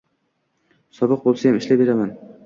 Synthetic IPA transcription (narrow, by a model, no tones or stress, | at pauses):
sɒbɨq̚bolˠsajamɪʃlabe̞ɾaman